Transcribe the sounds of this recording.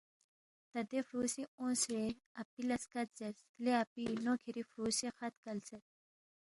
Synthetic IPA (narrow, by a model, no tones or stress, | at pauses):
t̪ɐd̪efɾuːsiõːseɐpilɐskɐt̪̚zɐɾsleɐpinoːkʰiɾifɾuːsixɐt̪kɐlsɐt̪̚